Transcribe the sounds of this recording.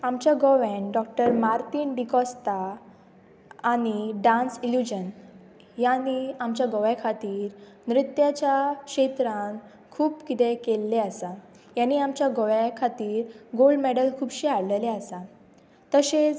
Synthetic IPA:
amt͡ɕjaɡɔʋɛnɖɔk̚ʈəɾmaɾt̪iːnɖikɔst̪a | niɖãnsiljud͡ʑən | janːiamt͡ɕjaɡɔʋɛkʰat̪iːɾ | nɾit̪jat͡ɕjakɕet̪ɾãŋ | kʰuːpkit̪ɛ̃kelːeasa | janːiamt͡ɕjaɡɔʋakʰat̪iːɾɡoɭɖmɛɽəlkʰuːbɕiaɽleleasa | t̪əɕet͡s

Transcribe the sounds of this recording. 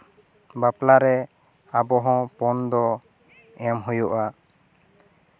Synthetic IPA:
baplaɾɛ | abɔɦɔ̃pɔnd̪ɔ | ɛmɦujuʔa

